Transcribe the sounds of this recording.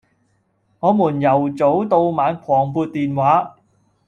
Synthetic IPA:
ŋɔː˨˧muː˨˩njɐ˨˩wt͡so˨˥wt̪o˧wmaː˨˧nkʷʰɔː˨˩ŋpuː˧t̚t̪iː˨nwaː˨˥

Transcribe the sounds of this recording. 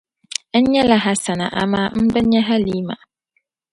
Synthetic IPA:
n̩˦ɲɛ˦la˨ɦa˨sa˨nã̰˨ʔa̰˨mã˦m̩˦bɛ˦ɲɛ˦ɦa˦liː˦mã̰˨

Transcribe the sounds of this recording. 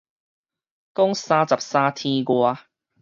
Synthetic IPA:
kɔ˥ŋsãː˧t͡sa˨p̚sãː˧t̪ʰĩ˧ɡwa˧

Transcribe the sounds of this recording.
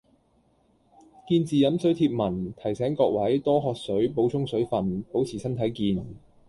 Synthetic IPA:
kiː˧nt͡siː˨jɐ˨˥msɵ˨˥ɥt̪ʰiː˧p̚mɐ˨˩nt̪ʰɐ˨˩jsɛː˨˥ŋkɔː˧k̚wɐ˨˥jt̪ɔː˥ɦɔː˧k̚sɵ˨˥ɥpo˨˥wt͡sʰʊ˥ŋsɵ˨˥ɥfɐ˨npo˨˥wt͡sʰiː˨˩sɐ˥nt̪ʰɐ˨˥jkiː˧n

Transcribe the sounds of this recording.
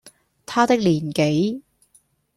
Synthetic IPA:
t̪ʰaː˥t̪ɪ˥k̚liː˨˩nke˨˥j

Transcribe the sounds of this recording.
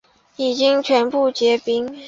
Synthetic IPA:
i˨˩t͡ɕi˥ŋt͡ɕʰɥɛ˧˥npu˥˩t͡ɕjɛ˧˥pi˥ŋ

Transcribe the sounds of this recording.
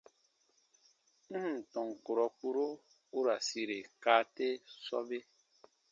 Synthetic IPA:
m̩˦h̩˨tɔ̃˨ŋ˨ko˨ɾɔ˨k͡pu˦ɾo˦ | u˦ɾa˨si˦ɾe˨kaː˦te˦sɔ̰˦be˦

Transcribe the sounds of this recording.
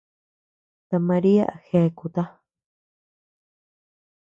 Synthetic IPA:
t̪a˧mã˧ɾi˦a̰˦˨xe˧ku˨t̪a˦

